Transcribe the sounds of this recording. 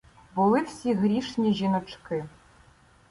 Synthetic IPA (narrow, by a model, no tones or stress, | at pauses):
bʊlˠɪwsʲiɣɾʲiʂnʲiʑinɔt͡ʂkɪ